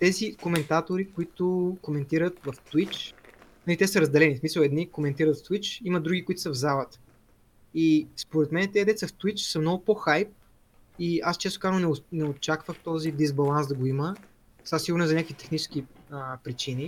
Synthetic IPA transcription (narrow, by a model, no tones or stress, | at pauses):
t̪ɛzikomɛnt̪at̪oɾikoit̪ʊkomɛnt̪iɾət̪vɐft̪wit͡ʃnɐlit̪ɛsəɾɐzd̪ɛlɛnismisəlˠɛd̪nikomɛnt̪iɾət̪ft̪wit͡ʃiməd̪ɾuɡʲikʊit̪ʊ̥səvzalˠət̪ə̥ | ispoɾɛt̪mɛnɛt̪ɛd̪ɛt̪səft̪wit͡ʃsəmnɔɡʊpoxajp̚ | iast͡ʃɛst̪ʊ̥kaɾnnɛnɛot͡ʃakvəxt̪ɔzid̪izbɐlˠansd̪ɐɡoimə | sasiɡʊɾnɛzɐɲʲjakvit̪ɛxnit͡ʃɛ̥sk̟iəpɾit͡ʃini